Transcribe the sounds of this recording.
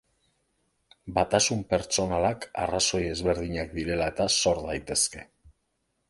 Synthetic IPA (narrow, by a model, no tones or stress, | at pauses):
bat̪asumpe̞ɾt͡ʃo̞nalaka̰raso̞je̞zβe̞ɾðiɲak̚d̪iɾe̞lae̞t̪aso̞ɾðajt̪e̞ske̞